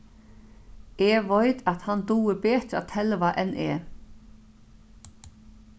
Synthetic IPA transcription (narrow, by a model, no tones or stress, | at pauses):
eːʋɔɪt̪at̪hand̪uːəbeːt̪ɾa̰t̪ʰɛlʋaʔɛnʔeː